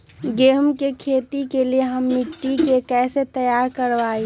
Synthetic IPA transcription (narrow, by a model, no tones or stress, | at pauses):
ɡeːɦmkekʰeːt̪ikelieɦəmːɪʈːikekɛːset̪əjaːɾkəɾʋaːi